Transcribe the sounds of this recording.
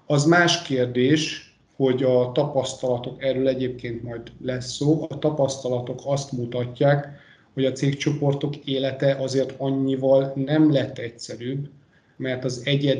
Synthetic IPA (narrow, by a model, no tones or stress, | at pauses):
ɒzmaːʃkeːrd̪eːʃ | ho̞ɟɒt̪ɒpɒst̪ɒlɒt̪o̞kɛrøːlɛɟeːp̚keːnt̪mɒjd̪lɛsːoːʔɒt̪ɒpɒst̪ɒlɒt̪o̞kʰɒst̪mut̪ɒcːaːk | ho̞ɟɒt̪seːkt͡ʃo̞po̞rt̪o̞keːlɛt̪ɛʔɒzeːrt̪ɒɲːivɒlnɛmlɛt̪ːɛcsɛɾyːb | mɛrt̪ɒzɛɟɛd̪